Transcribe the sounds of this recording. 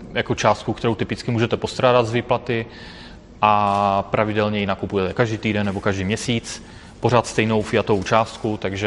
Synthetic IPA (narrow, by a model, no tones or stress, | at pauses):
jakot͡ʃaːst̪̚kukt̪ɛɾo̞wt̪ɪpɪt͡skɪmuːʒɛt̪ɛpo̞st̪ɾaːdad̪zviːplat̪ɪ | ʔapɾavɪdɛlɲɛjɪnakupujɛt̪ɛkaʒdiːt̪iːdɛnːɛbo̞kaʒdiːmɲɛsiːt͡s | po̞ɾ̝aːt̪st̪ɛjno̞wfɪjat̪oowt͡ʃaːst̪kut̪aɡʒɛ